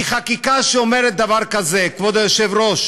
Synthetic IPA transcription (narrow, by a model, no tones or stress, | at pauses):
iχakikaʃeome̞ʁet̪̚d̪avaʁkazekvod̪ejoʃevʁoʃ